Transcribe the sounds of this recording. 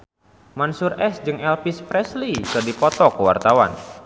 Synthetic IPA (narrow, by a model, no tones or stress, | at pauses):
mansurʔɛsd͡ʒɨŋɛlpispɾɛslikɨrdipɔt̪ɔkəwa̰rt̪awa̰n